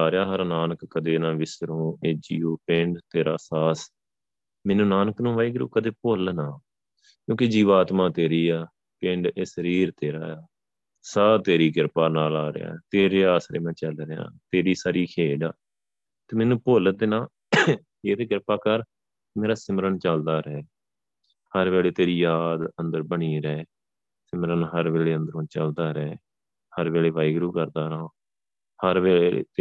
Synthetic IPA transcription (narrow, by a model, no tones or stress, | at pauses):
aːɾejaːɦəɾnaːnəkːəd̪eːnãːʋɪsɾõːeːd͡ʒiːoːpɪɳɖt̪eːɾaːsaːs | mɛːnũːnaːnəknũːʋaːiːɡəɾṵːkəd̪eːpolnaː | kjõːked͡ʒiːʋaːt̪maːt̪eːɾiːaː | pɪɳɖeːsəɾiːɾt̪eːɾaːaː | saːt̪eːɾiːɡɪɾpaːnaːlaːɾɪ̰ja̰ːɛt̪eːɾeːaːsɾeːmɛ̃ːt͡ʃəlɾeã̰ːt̪eːɾiːsaːɾiːkʰeːɖaː | t̪eːmɛːnũːpoːləd̪enaː | eːɾeːɡɪɾpaːkəɾ | meːɾaːsɪməɾəɳt͡ʃəld̪aːɾɛː | həɾʋeːɭeːt̪eːɾiːjaːd̪ənd̪əɾbəɳiːɾɛː | sɪmɾənɦəɾʋeːɭeːənd̪əɾõːt͡ʃəld̪aːɾɛː | həɾʋeːɭeːʋaːiːɡɾuːkəɾd̪aːɾaː | həɾʋeːeḛːt̪